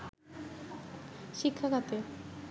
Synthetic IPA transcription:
ʃikʰːakat̪e

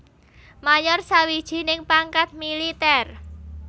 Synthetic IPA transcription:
majɔrsawid̥ʒ̥i̤nɪŋpaŋkat̪̚milit̪ɛr

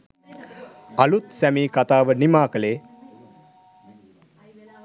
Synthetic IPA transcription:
alut̪sæmiːkat̪aːʋənimaːkəleː

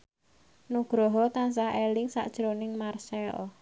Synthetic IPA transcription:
nuɡ̥ɾɔɦɔt̪ansaelɪŋsa̰ʔd̥ʒ̥ɾonɪŋmarsɛɔ̰

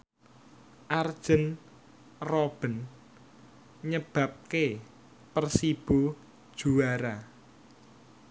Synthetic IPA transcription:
ʔard̥ʒ̥ə̤n | rɔb̥ə̤n | ɲəb̥ä̤p̚ke | pərsib̥o | d̥ʒ̥uaɾa

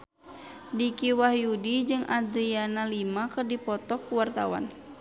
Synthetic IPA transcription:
dikiwahjudid͡ʒɨŋad̪ɾianalimakɨrdipɔt̪ɔk̚ːuwart̪a̰wa̰n

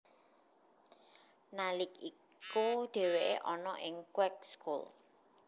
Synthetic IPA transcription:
nalɪk̚i | kuɖ̪̥e̤weʔeʔɔnɔʔɪŋkwɛk̚skul

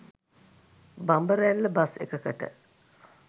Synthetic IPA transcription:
bambəɾælːəbasḛkəkəʈə̰

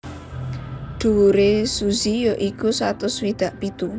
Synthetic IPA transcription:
ɖ̪̥uuɾesuzijoʔikusat̪ʊswid̪̥ä̤ʔpit̪u

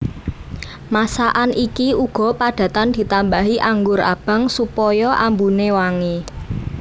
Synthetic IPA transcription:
masaʔanʔikiuɡ̥ɔ̤paɖ̪̥a̤t̪and̪̥i̤t̪ambaɦiʔaŋɡʊɾa̰b̥ä̤ŋsupɔjɔʔambunewaŋe

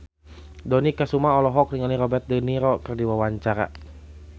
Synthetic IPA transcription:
dɔnikasumaɔlɔɦɔk̚ɾiŋaniɾɔbɛrt̪̚dəniɾɔkərdiwawaɲt͡ʃaɾa̰

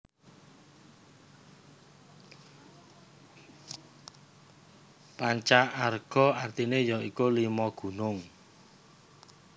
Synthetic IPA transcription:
paɲt͡ʃaʔarɡ̥ɔ̤art̪inejɔikolimɔɡ̥ṳnʊŋ

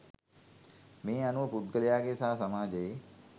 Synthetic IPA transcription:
meːanuʋəpud̪̚ɡəlejaːɡesaɦasamaːd͡ʒəje

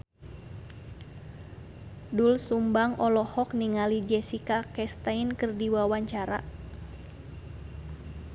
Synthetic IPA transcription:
dulsumbaŋʔɔlɔhɔk̚niŋalid͡ʒɛsikakɛst̪ainkɨrdiwawaɲt͡ʃaɾa̰

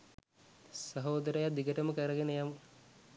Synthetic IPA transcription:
sɐɦoːd̪ɐɾɐjɐd̪ʱiɡɐʈɐmɐkɐɾɐɡenɐjam

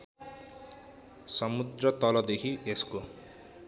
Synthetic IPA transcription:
sʌmud̪rʌt̪ʌlʌd̪ekʰiesko

